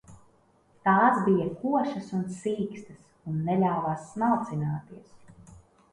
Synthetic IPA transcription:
t̪aːsbijɐkuɔʃɐsunsiːkst̪ɐs | unːɛlʲawvaːsːnalt̪sinaːt̪iɛs

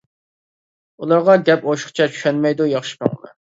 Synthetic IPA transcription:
ulˠɑɾʁɑɡʲɛpoʃχt͡ʃʰɛt͡ʃʰy̥ʃɛnmɛjd̪ujɑχʃi̥qʰɑ̰ŋlɨ̰

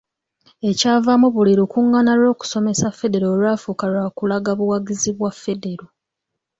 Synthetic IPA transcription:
e̞caːvamuβuliɾukuŋːanaɾo̞ːku̥so̞me̞safːe̞de̞ɾoːlwaːfukalwaːkulaɡaβuwaɡiziβwafːe̞de̞ɾo

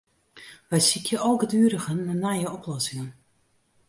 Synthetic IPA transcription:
ʋɛjsikʰjəʔoːɡədyːəɾəɣənːanajəɔplɔsɪŋən

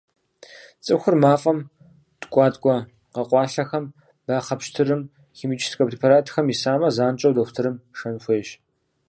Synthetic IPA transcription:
t͡sʼɨxʷʊrmaːfʼɐm | tʼkʷʼɑːtʼkʷʼɔ | qɐqʷʼɑːɬɐxɐm | baːχɐpʃtʰɨɾɨm | ximiːt͡ʃʼʰɪ̥skʼɐpʰripʰaɾaːtʰxɐmisaːmɐzaːnt͡ʃʼɐwdɐxʷtʰɨɾɨmʂɐnxʷeːɕ

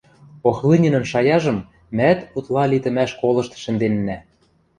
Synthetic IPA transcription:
oxlinʲɘ̆nɘ̆mʃɑjɑʒɤ̆m | mæt̪ut̪lɑlit̪ɘ̆mæʃkolˠɤ̆ʃt̪̆ʃɘ̆nd̪enːæ

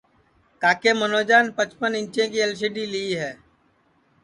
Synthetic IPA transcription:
kaːkeːmənoːd͡ʒaːnpət͡ʃpənɪ̃ɲt͡ʃẽkiəlʃ̬ɪɖiliiɦɛː

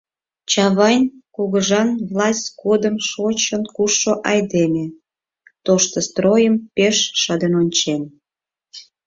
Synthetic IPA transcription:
t͡ɕɑβɑnʲkuɣəʒɑnvlɑsʲtʲkod̪əmʃot͡ɕənkuʃːoʔɑjd̪emʲe | t̪oʃt̪əst̪rojəmpeʃːɑd̪ənonʲt͡ɕen

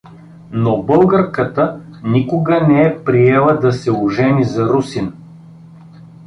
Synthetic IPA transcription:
nobɤlˠɡəɾkət̪ənikʊɡənɛɛpɾiɛlˠəd̪ɐsɛʊʒɛnizɐɾusin

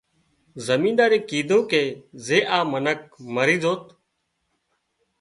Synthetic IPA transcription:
zəmĩːd̪aːɾẽːkiːd̪ʱõːkeːzeːʔaːmənək̚məɾĩːzoːt̪

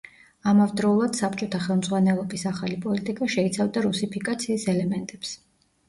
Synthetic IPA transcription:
amavd̪ɾɔulˠad̪̥sapʰt͡ʃʼɔt̪ʰaχɛlˠmd̪zʁwanɛlˠɔbisaχalipʼɔlit̪ʼikʼaʃɛit̪sʰavd̪aɾusipʰikʼat̪sʰiːsɛlɛmɛnt̪ʼɛps

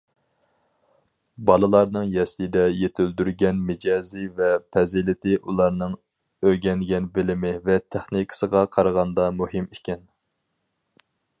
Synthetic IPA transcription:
bɑlˠɨlˠɑɾnɨŋjɛslɪd̪ɛjet̪ʰɪld̪yɾɡʲɛnmɪd͡ʒɑːzivɛpʰɛzilɪt̪ʰɪʔulˠɑɾnɨŋ | øɡʲɛnɡʲɛnbɪlɪmɪvɛt̪ʰæχnikʰsəʁɑqʰɑɾʁɑnd̪ɑmuɦɪmikʲɛn

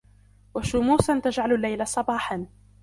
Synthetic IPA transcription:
waʃʊmuːsant̪ad͡ʒʕalalːajlasˤɑbɑːħan

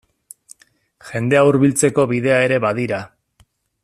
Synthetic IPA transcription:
ʝe̞nd̪e̞auɾβilt͡se̞ko̞βiðe̞ae̞ɾe̞βaðiɾa

